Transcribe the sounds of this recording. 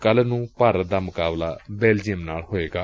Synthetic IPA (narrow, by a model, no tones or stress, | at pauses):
kəlnũːpaːɾət̪̚d̪aːmʊkaːblaːbɛːld͡ʒiəmnaːlhoːeːɡaː